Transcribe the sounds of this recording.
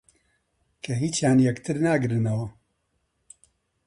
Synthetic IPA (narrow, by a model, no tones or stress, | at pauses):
kʰɐɦiːt͡ʃjaːnjɛkt̪ʰɨɾnaːɡɨɾɨnɐwɐ